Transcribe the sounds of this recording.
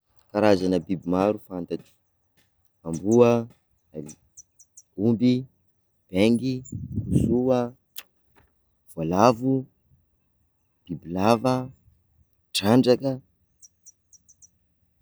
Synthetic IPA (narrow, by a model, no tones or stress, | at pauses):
kaɾazanəbibimaɾufant̪aki̥ | ambuə | ali | umbi | b̥eŋɡikusuə | v̥alavu | b̥ibilavə | ʈ͡ʂaɳɖ͡ʐakə